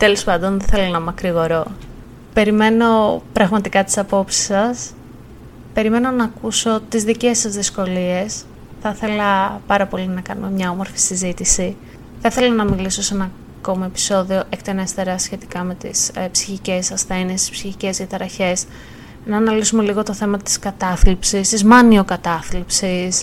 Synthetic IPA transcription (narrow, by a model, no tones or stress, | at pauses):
t̪e̞lo̞spɐnd̪o̞nðeθe̞lonɐmɐkɾiɣo̞ɾo̞ | pe̞ɾime̞no̞pɾɐɣmɐt̪ikɐt̪i̥sɐpo̞psi̥sɐs | pe̞ɾime̞no̞nɐːkuso̞t̪izðice̞sɐzðisko̞lie̞s | θɐθe̞lɐpɐɾɐpo̞linɐkɐnume̞mɲɐo̞mo̞ɾfi̥sizit̪isi | θiθe̞lɐnɐmiliso̞se̞nɐ | ko̞mɐepi̥so̞ðio̞ʔekt̪enest̪e̞ɾɐsçe̞t̪ikɐme̞t̪ḭspsi̥çice̞sɐsθɐinest̪ispsiçice̞zʝɐt̪ɐɾɐçe̞s | nɐːnɐlisume̞liɣo̞t̪o̞θe̞mɐt̪i̥skɐt̪ɐθlipsist̪izmɐniokɐt̪ɐθlipsis